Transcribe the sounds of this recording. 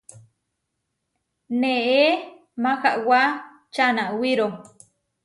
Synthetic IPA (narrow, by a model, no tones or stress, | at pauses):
nee | maxaʔwa | t͡ʃanaʔwiɾo